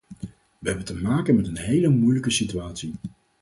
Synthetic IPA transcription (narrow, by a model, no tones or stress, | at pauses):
ʋəɦɛbəntəmaːkənmɛtənɦejləmujləkəsityaːtsi